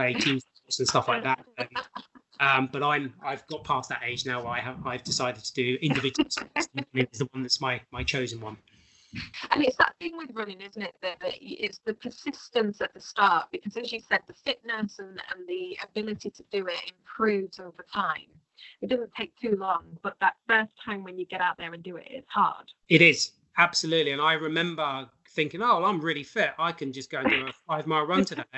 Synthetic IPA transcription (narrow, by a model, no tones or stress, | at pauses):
eɪtʰʉz | ɔsə̃nstʌflaɪk̚ðæt̚ʌ̃ | ʌ̃mb̥ʌɾãɪ̃maɪvɡɒʔ̚pʰɑˑsðəteɪd͡ʒnaʊwəlaɪəaɪvdɪsaɪdɨd̚tʰədɨɪ̃ndɨvɪd͡ʒl̩ˠsmĩnɪzðəwʌ̃nðətsmaɪmaɪt͡ʃʰoʊzə̃nwʌ̃n | ʔə̃nɪtsðə̰ʔθɪ̃ŋwɪðɹʌ̃nɪ̃ŋɪzn̩tɪʔ̪̚ðəʔðɨʔɪtsðəpʰə˞sɪstə̃nsəʔ̪̚ðəstɑˑʔ̚b̥ɨkʰʌzɨzjɨsɛd̪̚ðəfɪʔnəsə̃nə̰̃nðiə̰bɪlɪtitʰədɨɪtɪ̰̃mpʰɹ̥ʉvz̥oʊvə˞tʰãɪ̃m | ɪt̚d̥ʌzn̩tʰeɪk̚tʰʉlɔ̃ŋb̥ʌʔ̪̚ðətfɜˑ˞stʰãɪ̃mwə̃njɨɡɛɾaʊʔ̪̚ðə˞ɨ̃ndɨɪ̰tɪ̰z̥hɑ̰ːd̥ɪɾɪz | ab̥səlʉˑʔˡliɨ̃naɪɹɪmɛ̃mbə˞ | θɪ̃ŋkɪ̃ŋoʊãɪ̃mɹɪlifɪtaɪkʰɨ̃nd͡ʒʌsɡ̥oʊ̃nəəfaɪvmaɪlˠɹʌ̃ntʰəðe